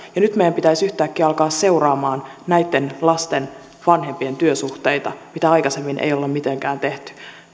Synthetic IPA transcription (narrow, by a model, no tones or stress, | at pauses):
jɑnyt̪mejæmpit̪æisyht̪æːkːiːɑlkɑːsse̞urɑːmɑːnnæjt̪ːe̞nlɑst̪en | ʋɑnɦempie̞nt̪yøsuht̪eit̪ɑ̰mit̪æɑjkɑsemːinʔḛjolːemit̪eŋkæːnt̪e̞ht̪y̥